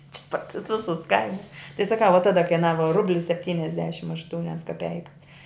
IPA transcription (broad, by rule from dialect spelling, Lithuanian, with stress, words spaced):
t͡ʃʲɪ pɐr tʊs ˈʋʲɪsʊs ˈkɐɪmʊs tɐɪ sɐˈkɐʊ ʋɐ ˈtɑːdɐ kɐɪˈnɑːʋɐ ˈrʊbʲlʲɪ sʲɛpʲˈtʲiːnʲɛzʲdʲɛʃʲɪm ɐʃˈtuːnʲɛs kɐˈpʲɛɪkɐs